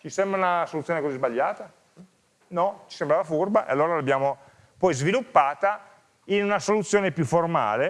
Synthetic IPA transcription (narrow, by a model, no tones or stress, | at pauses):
t͡ʃisɛmbɾaunasolut̪sːjoːnekozizbaʎːaːt̪a | nɔt͡ʃisembɾaːvafurbaʔḛalːoːɾalabjaːmo | pɔjzvilupːaːt̪a | inunasolut̪sːjoːnepjufːorma̰ːle